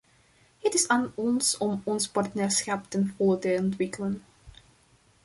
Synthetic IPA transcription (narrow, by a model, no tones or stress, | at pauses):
ɦətɪsaːnɔnsɔmɔnspɑrtnɛːɹsχɑptənvɔlˠətəɔntʋɪkələn